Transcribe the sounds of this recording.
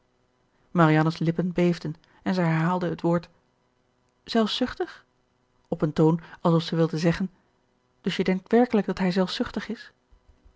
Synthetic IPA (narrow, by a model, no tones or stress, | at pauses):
maɾijɑnəslɪpənbejvdən | ɛnzɛjɦɛɹɦaːlˠdəɦətʋoːɹt | z̥ɛlˠfsʏχtəχ | ɔpəntownɑlˠsɔfsɛjʋɪlˠdənzɛχən | d̥ɵsjədɛŋk̚tʋɛɹkələɡ̚dɑtɦɛjzɛlˠfsʏχtəχɪs